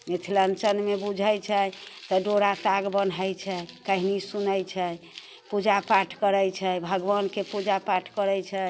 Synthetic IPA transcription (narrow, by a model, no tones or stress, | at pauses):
met̪ʰilənt͡ʃənmebud͡ʒʱət͡ʃʰɛt̪ɔɖoɾat̪aɡbənəjt͡ʃʰɛkəɦinisunəjt͡ʃʰɛ | pud͡ʒapaʈʰkəɾəjt͡ʃʰɛbʱəɡʋənkepud͡ʒapaʈʰkəɾəjt͡ʃʰɛ